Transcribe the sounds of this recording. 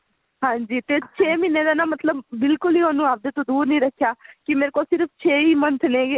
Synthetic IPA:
ɦãːɲd͡ʒiːt̪eːt͡ʃʰeːmɪnːeːd̪aːnãːmət̪ləbːɪlkʊliːoːnũːaːp̚d̪eːt̪õːd̪uːɾnĩːɾəkʰːjaːkɪmeːɾeːkoːlsɪɾft͡ʃʰeːiːmənt̪ʰnẽːe

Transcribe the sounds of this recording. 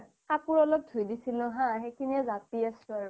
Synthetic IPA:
kapuɹɔlɔk̚dʱujdisilʊ̃ɦãxejkʰiniɛzatiasʊ̃aɹu

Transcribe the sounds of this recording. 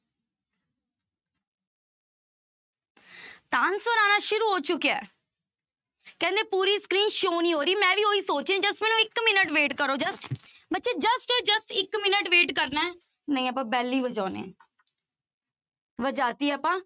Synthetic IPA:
t̪aːnsʋəɾaːnaːʃʊɾuːɦoːt͡ʃʊkːiaɛː | kɛ̃ːnd̪eːpuːɾiːskɾiːnʃoːniːɦoːɾiːmɛ̃ːʋiːoːiːsoːt͡ʃẽd͡ʒəsʈmɛ̃ːnũːɪkmɪnəʈʋeːʈkəɾoːd͡ʒəsʈ | bətːʃeːd͡ʒəsʈeːd͡ʒəsʈɪkmɪnəʈʋeːʈkəɾnaː | nəĩːəp̬ãːbɛːliːʋəd͡ʒaːnḛ̃ː | ʋəd͡ʒaːt̪iːəːpãː

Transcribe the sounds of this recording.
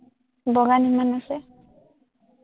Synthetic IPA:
bɔɡanimanasɛ

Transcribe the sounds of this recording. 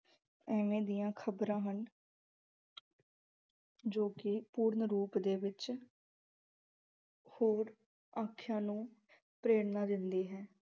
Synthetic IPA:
ɛːʋẽːd̪ijãːkʰəbɾãːɦən | d͡ʒoːkɪpuːɾnɾuːpd̪eːʋɪt͡ʃ | hoːɾ | aːkʰjãːnũː | pɾeːɽnaːd̪ɪnd̪iːɦɛː

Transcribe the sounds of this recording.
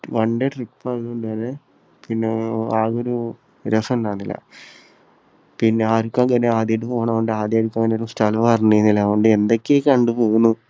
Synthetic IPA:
ʋɐɳɖeʈripːɐloɳɖɨʋɐɾe | pinːeaːɣoɾu | ɾesɐnnaːnːilːɐ̰ | pinːeaːɾukːaŋɡɐnːeaːd̪jeʈ̬ːɨpoːɳaoɳɖɨaːd̪jaːɾukːaːŋɡɐneoɾustɐlʋɐrnːejnːilaːʋoɳɖɨe̞nd̪okʲːekɐɳɖupo̞ːɣunːu

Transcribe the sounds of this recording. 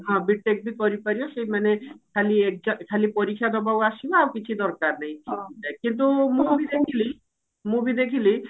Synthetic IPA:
ɦãbiʈʈek̚bikɔɾipaɾiɔʃejmanekʰaliek̚d͡ʒɔkʰalipɔɾikʰːjad̪ɔbawaʃibaawkit͡ʃʰid̪ɔɾkaɾnɛjaekint̪̬umũbid̪ekʰili | mũbid̪ekʰili

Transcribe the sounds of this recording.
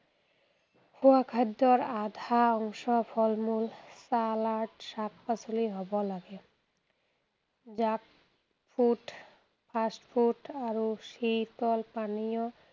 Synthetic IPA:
pʰuakʰadɔɹad̪ʱaɔŋsɔpʰɔlmulsalaɹʈsak̚pasuliɦɔbɔlaɡɛ | zak̚ | pʰuʈ | pʰasʈpʰuʈaɹusit̪ɔlpanijɔ

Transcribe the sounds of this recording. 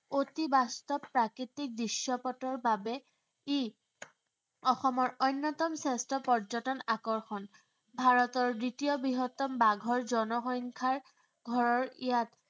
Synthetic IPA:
otibastɔpːɹakɹitik̚dɹisjɔpɔtɔɹbabɛ | i | ɔxɔmɔɹojnːɔtɔmsestɔpɔɹzɔtɔnakɔɹxɔn | bʱaɹɔtɔɹditijɔbɹiɦɔtɔmbaɡʱɔɹzɔnɔxɔŋkʰaɹ | ɡʱɔɹɔɹijat

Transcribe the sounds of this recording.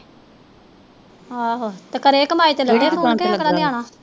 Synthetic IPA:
aːɦot̪əkəɾeːkəmaːiːt̪eːləɡɽeːfʰoːnkɛkəɽaːdɪjaːɳaː

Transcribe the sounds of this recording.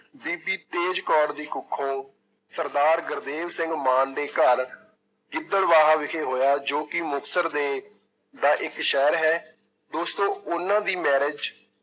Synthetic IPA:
biːbiːt̪eːd͡ʒkɔːɖd̪iːkʊkʰːõː | səɾd̪aːɾɡəɾd̪eːʋsɪ̃ŋɡmãːɳɖeːkəɾ | ɡɪd̪ːəɽʋaːɦaːʋɪkʰeːɦoːjaːd͡ʒoːkɪmʊksəɾd̪eː | d̪aːʔɪkʃɛːɾɦɛː | d̪oːst̪õːʊnãːd̪iːmɛːɾɪd͡ʒ

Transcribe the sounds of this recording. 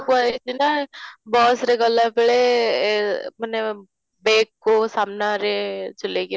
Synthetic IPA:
kaitinabɔːsɾeɡəlːapeɭe | məne | beːkːosaːmnaɾet͡ʃəleɡɪ

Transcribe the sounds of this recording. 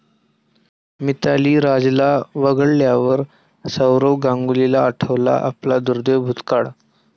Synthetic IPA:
mit̪aliːɾad͡zlaʋəɡəɭljaʋəɾ | səwɾowɡãŋɡulilaːʈʰəʋla̰ʔa̰plad̪uɾd̪ewbʱut̪kaɽ

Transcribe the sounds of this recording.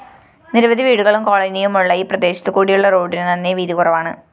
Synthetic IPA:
niɾɐʋɐðiʋiːɽuɣɐɭumko̞ːɭɐnijumːoɭːɐjiprɐd̪e̞ːɕɐt̪ːɨkuːɽijuɭːɐro̞ːɖinɨnɐnːeʋiːðikurɐʋaːɳɨ̰

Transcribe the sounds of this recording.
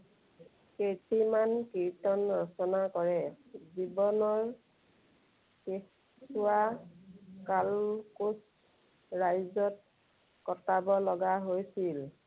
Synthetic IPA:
ketimankiɹtɔnɔɹsɔnakɔɹɛzibɔnɔɹ | ke | sʊa | kalkus | ɹajzɔt̚ | kɔtabɔlɔɡaɦojsil

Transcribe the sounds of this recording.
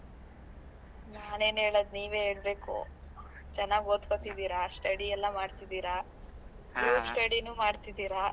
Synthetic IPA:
naːne̞ːnɦeːɭod̪niːʋe̞ːɦeːɭbe̞ːko̰ | t͡ʃɛnːaːɡoːt̪kot̪id̪iːɾɐsʈɐɽiɛlːɐmaːɖt̪id̪iːɾa | ɡɾuːpsʈɐɽinuːmaːɖt̪id̪iːɾa

